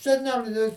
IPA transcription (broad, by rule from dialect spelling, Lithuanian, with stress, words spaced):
sʲɛˈnʲæːlʲɪ